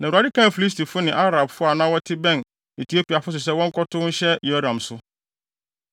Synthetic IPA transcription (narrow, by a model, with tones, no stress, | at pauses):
nã˨a˨dɪ˦kʰã˦˨fi˨li˦sti˨fʊ˦nɪ̃˨ʔa˦ɾa˨bfʊ˦a˨nã˦wɔ˦tʰɪ˦bɛ̃˦˨n | e˨tʰi˨o˦pi˨a˨fʊ˦s̬ʊ˨s̬ɛ˦wɔ̃˦ŋ̩˦kʰɔ˦tʰʊ̃˦ɲ̩˦ɕɛ˦jo˦dã˨msʊ˦